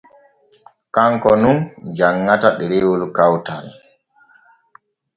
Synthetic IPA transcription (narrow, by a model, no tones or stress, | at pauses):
kaŋkɔnund͡ʒaŋːataɗɛɾɛwolukawtal